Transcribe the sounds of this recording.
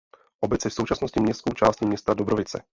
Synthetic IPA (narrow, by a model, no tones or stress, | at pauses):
ʔobɛt͡sjɛfsowt͡ʃasnoscɪmɲɛstskowt͡ʃaːscɪmɲɛst̪adobɾovɪt͡sɛ̰